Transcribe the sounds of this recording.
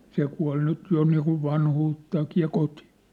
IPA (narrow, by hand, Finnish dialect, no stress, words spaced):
se kuɑ̝l nyt jo niːkuʋ ʋɑnhuːtːɑːkiː jɑ koti̥